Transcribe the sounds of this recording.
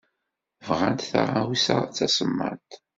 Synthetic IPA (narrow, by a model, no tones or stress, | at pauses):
vʁant̪θa̰ʁˤawisat͡sːæsəmːa̰nt̪